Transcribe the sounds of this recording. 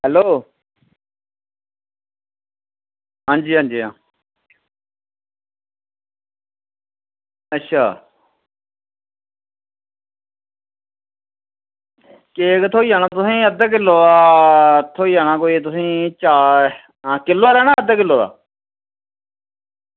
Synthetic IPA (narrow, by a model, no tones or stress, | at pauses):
ɦɛloː | ɦãːnd͡ʒiːɦãːnd͡ʒiːã̰ː | ətːʃʰa̰ː | keːkt̪ʰoːiːaːnaːt̪ʊsĩːəd̪əːk̬ɪloːaːt̪ʰoːiːaːnãːkoːiːt̪̬ʊsĩːt͡ʃaː | kɪlːoaːlɛːnaːəd̪aːk̬ɪlːoːa̰ː